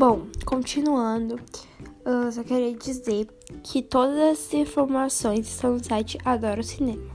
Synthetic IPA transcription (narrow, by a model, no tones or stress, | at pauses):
bõw̃kõt͡ʃinuɐ̃d̪ʊ | ɛsɔkeɾiɐd͡ʒizeɾ | kʰɪt̪od̪ɐzɐzĩfoɾmasõj̃zɪst̪ɐ̃w̃nʊsajt͡ʃɪʔad̪ɔɾɐʊsinẽmɐ